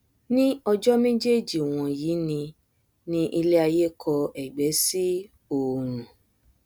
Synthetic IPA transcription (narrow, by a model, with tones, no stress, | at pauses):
nĩ˦ɔ˧d͡ʒɔ˦mẽ˦d͡ʒe˦˨d͡ʒi˨w̃ɔ̃˨jiː˨˦nĩ˧ | nĩ˦ʔi˧le˦a˧je˦˨kʰɔ˧ɛ˨ɡ͡bɛ˨˦si˦ | o˨ɾ̃ũ˨